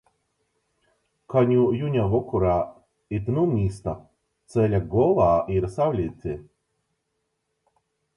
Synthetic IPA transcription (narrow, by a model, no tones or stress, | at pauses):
kaɲʲujunʲavɔkuɾa | it̪numʲiːst̪a | t̪sɛlʲaɡɔlˠaːiɾsawlʲit̪ʲi